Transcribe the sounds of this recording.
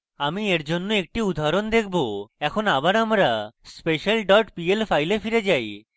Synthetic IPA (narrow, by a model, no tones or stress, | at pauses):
amieɾd͡ʑonːoek̚ʈiud̪ʱaɾond̪ekʰboɛkʰonabaɾamɾaspeʃalɖɔʈpielfajlefiɾed͡ʑaj